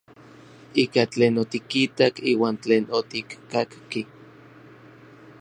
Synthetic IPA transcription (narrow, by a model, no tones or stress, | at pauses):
iːkat͡ɬeːnot̪ikit̪akiːwaːnt͡ɬeːnot̪ikːakki